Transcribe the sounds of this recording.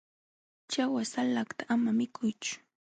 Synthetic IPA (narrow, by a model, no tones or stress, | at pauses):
t͡ʃawasalakt̪aʔamamɪkʰʊjt͡ʃʊ̥